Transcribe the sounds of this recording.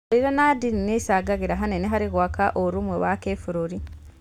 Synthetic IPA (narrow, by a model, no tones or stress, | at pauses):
iɾonadininesaɡaɣiɾaɦaneneɦaɾiɣwaːkaʔoɾumwewakefuɾuɾi